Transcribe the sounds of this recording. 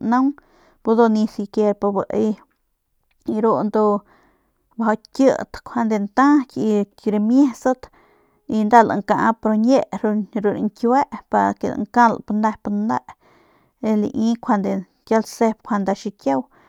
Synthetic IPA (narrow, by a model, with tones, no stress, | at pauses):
na˦ŋ | pu˧d̪o˧ni˧si˧ke˧ɾpa˧bə˨ʔi˧ | ɾo˧nd̪o˧ | ba˧ɦa˧kʲjə̰˧˨t̪kʷʰa˧nd̪e˧nt̪a˦kʲi˧ | ɾe˧mje˦sə˦t̪ | i˧nd̪a˧la̰˨ŋka˧ʔpɾo˧ɲe˦˧ʔɾɾu˧ɾḭ˧ŋkʲwe˦ʔpa˧ɾa̰kḛ˨la̰˧ŋka˦l̰pa˧nd̪a˧pa˧nd̪a˦ʔ | e˧lḭ˧ʔi˦kʷʰa˧nd̪e˧ | kja˧lse˦˧p̚kʰʷa˧nd̪a˧ʃi˧kje˦w